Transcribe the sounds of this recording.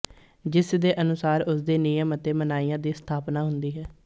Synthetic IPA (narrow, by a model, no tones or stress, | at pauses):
d͡ʒɪsd̪eːʔənʊsaːɾʊsd̪eːnɪjəmət̪eːmənaːiːjãːd̪iːst̪ʰaːpnaːɦʊnd̪iːɦɛː